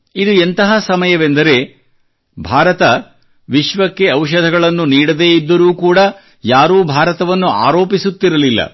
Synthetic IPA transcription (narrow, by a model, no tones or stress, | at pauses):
id̪uent̪ɐɦɐsɐmɐjɐʋend̪ɐɾe̞ | bʱaːɾɐt̪ɐ | ʋiʃʋɐkːe̞ɐwʃ̬ɐd̪ʱɐɡɐɭɐnːuniːɽɐd̪e̞ːid̪ːɐɾuːkuːɽɐ | jaːɾuːbʱaːɾɐt̪ɐʋɐnːua̰ːɾo̞ːpisut̪ːiɾɐlilːɐ̰